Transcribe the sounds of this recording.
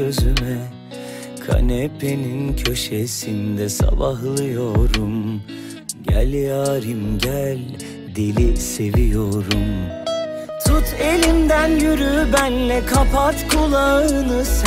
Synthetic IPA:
øzymɛ | kʰa̰nepʰenincʰø̞ʃesind̪ɛsa̰baɦlˠɯjo̞ɾum | ɟæ̰lʲjaːɾɯmɟælʲ | d̪elʲise̞vijoɾum | t̪ʰut̪ʰe̞lʲimd̪ænjyɾybænlɛkʰapʰat̪kʰulˠaɯɯnɯz

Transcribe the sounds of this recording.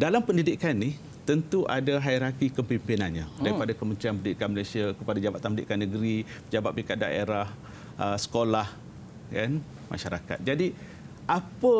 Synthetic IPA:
dalampəndidikanːih | t̪ənt̪uʔadaɦaiɾakikəmpimpinanɲãdaɾipadakəmənt̪ɾianpəndidikanməlasiakəpadad͡ʒabat̪anməidḭʔkanːəɡəɾipəd͡ʒabat̪̚pikat̪̚da̰eɾah | əsə̥kolah | kan | mʔa̰ʃaɾaka̰t̪̚d͡ʒadi | ʔapə

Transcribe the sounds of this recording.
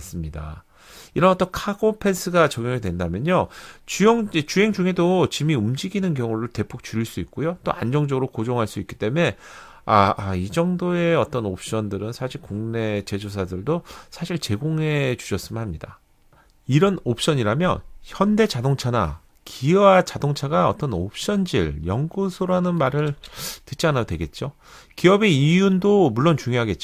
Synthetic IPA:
s͈ɯmɲida̰ | iɾʌnʌt͈ʌkʰaɡopʰe̞ns͈ʰɯɡat͡ɕʌɡjoŋedwe̞ndamjʌɲot͡ɕujʌŋd͡ʑet͡ɕuɦe̞ŋd͡ʑuŋɦe̞dot͡ɕimiumd͡ʑiɡinɯnkjʌŋuɾɯɭte̞pʰok̚t͡ɕuɾiɭs͈uik̚k͈ojot͈o̰ʔa̰nd͡ʑʌŋd͡ʑʌɡɯɾok͈od͡ʑoŋɦaɭs͈uik͈i̥t͈e̞me̞ | aːid͡ʑʌŋdoe̞ʌt͈ʌnop̚ɕ͈ʌndɯɾɯnsʰaɕʰiɭkuŋne̞t͡ɕe̞d͡ʑos̬ʰadɯɭdosʰaɕʰiɭt͡ɕe̞ɡoŋɦe̞t͡ɕu̥ɕʰʌs͈ɯmɯnɦamɲida | iɾʌnop̚ɕ͈ʌɲiɾamjʌ̰nçjʌnde̞t͡ɕadoŋt͡ɕʰana̰ | kʰiwat͡ɕadoŋt͡ɕʰaɡaʌ̰t͈ʌnop̚ɕ͈ʌnd͡ʑiɭjʌŋɡusʰoɾanɯnmaɾɯɭtɯt̚t͡ɕ͈ianadwe̞ɡe̞t̚t͡ɕ͈o | kiʌbe̞ijundomuɭːont͡ɕuŋjoɦaɡe̞t̚t͡ɕ͈

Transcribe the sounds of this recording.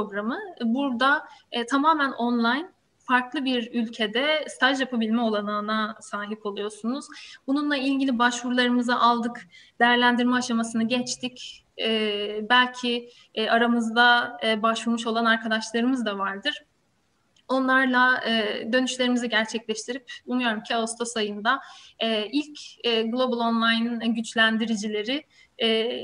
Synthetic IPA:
oɡɾamɯbuɾd̪at̪ʰamaːmænʔo̞nlˠajn | faɾklˠɯbiɾylʲcʰe̞d̪ɛst̪ʰaʒjapʰabilʲmɛo̞lˠananasaːɦipo̞lˠujo̞sunuz̥bununlˠailʲɟilʲibaʃvuɾlˠaɾɯmɯzaʔalˠd̪ɯkd̪ejæɾlʲænd̪iɾmɛːʃamasɯnɯɟɛt͡ʃt̪ʰic | ɛːbælʲcʰi | aɾamɯzd̪abaʃvuɾmuʃo̞lˠanaɾkʰad̪aʃlˠaɾɯmɯzd̪avaɾd̪ɯɾ̥ | o̞nlˠaɾlˠaɛd̪ø̞nyʃlʲe̞ɾimiziɟæɾt͡ʃʰɛclʲɛʃt̪ʰiɾipunujo̞ɾumcʰiaust̪ʰo̞sajɯnd̪aɛilʲcɛɡlˠo̞bulˠo̞nlˠajnɟyt͡ʃlʲænd̪iɾid͡ʒilʲe̞ɾɪː

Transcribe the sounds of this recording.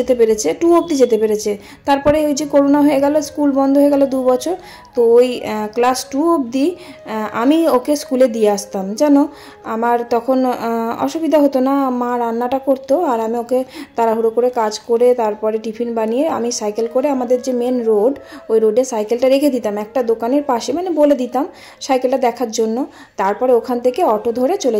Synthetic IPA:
et̪epeɾet͡ɕʰeʈuop̚d̪id͡ʑet̪epeɾet͡ɕʰe | t̪aɾpɔɾeojd͡ʑekoɾonaɦoeɡɛloskulbɔnd̪ʱoɦoeɡɛlod̪ubɔt͡ɕʰoɾ | t̪oojklasʈuob̚d̪i | a̰miokeskuled̪ieaʃt̪amd͡ʑɛno | amaɾt̪ɔkʰonɔ̰ʃubid̪ʱaɦot̪onamaɾanːaʈakoɾt̪oaɾamioket̪aɾaɦuɾokoɾekad͡ʑkoɾet̪aɾpɔɾeʈipʰinbanijea̰misajkelkoɾeamad̪eɾd͡ʑemenɾoɖojɾoɖeɾsajkelʈaɾekʰed̪it̪amɛk̚ʈad̪okaneɾpaʃemaneboled̪it̪am | sajkelʈad̪ɛkʰaɾd͡ʑonːo | t̪aɾpɔɾeokʰant̪ʰekeɔʈod̪ʱoɾet͡ɕole

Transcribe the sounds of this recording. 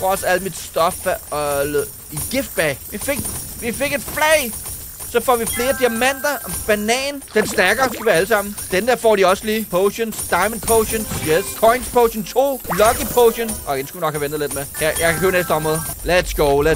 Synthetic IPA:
ʁɒsæl̰̥mid̥sd̥ɒ̽fɒl | iɡ̥ifd̥̚b̥ɛɪʋife̝ɡ̥ʋife̝ɡ̥e̝d̥flɛɪ | sɒ̽fɒ̰ʋifle̝ːɐd̥iæmæn̰d̥ɐb̥ænɛ̰ːnd̥ensd̥æɐɡ̥ɐsɡ̥uʋiɐæləsɑ̈m̰n̩d̥end̥eɐ̰fɒ̰ːɾ̥iɒ̽səliːpʰoʊɕənsd̥ɑ̈ɪmənpʰoʊɕənjeskʰɒɪnspʰoʊɕənt͡sʰo̝̰ːlɒ̽ɡ̥ipʰoʊɕənʔɒ̽ɡensɡ̥uʋinɒ̽ɡ̥hæʋendð̩ˠle̝d̥mekʰæjɑ̈ɪkʰkʰøɐnes̬d̥əɒ̽mʁɔ̽ːðˠled̥sɡ̥oʊlæ

